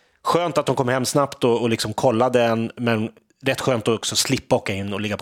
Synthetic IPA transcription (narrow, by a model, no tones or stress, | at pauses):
ɧøːnt̪at̪̚dʊnkʰɔmhɛmːsnapt̪ɔːlɪksɔmkʰɔlːad̪əɛnmɛn | ɾɛt̪ːɧøːnt̪ɔɔksɔslɪpːaoːkːaɪnːɔlɪɡːapʰ